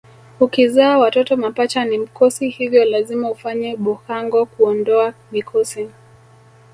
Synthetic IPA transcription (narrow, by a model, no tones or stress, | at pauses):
ukizaːwatɔtɔmapat͡ʃanim̩kɔsihivjɔlazimaufaɲɛɓuhaŋɡɔkuɔndɔamikʰɔsi